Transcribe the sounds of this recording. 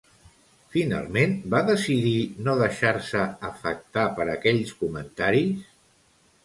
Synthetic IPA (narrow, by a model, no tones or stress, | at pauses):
fina̰lˠmenbaðəsiðinoðəʃaɾsəəfə̰k̚t̪apəɾəkɛʎskumənt̪aɾis